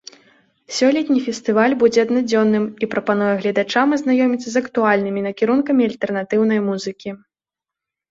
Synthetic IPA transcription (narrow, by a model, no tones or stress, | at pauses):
sʲɔlʲɛt̪ʲnʲifʲɛst̪ɨvalʲbud͡zʲɛɐd̪nad͡zʲɔnːɨmipɾɐpanujɛɣlʲɐd̪at͡ʂamɐznajɔmʲit̪sːɐzɐkt̪ualʲnɨmʲinɐkʲiɾunkɐmʲiɐlʲt̪ɛrn̪at̪ɨwn̪ɐjmuzɨkʲi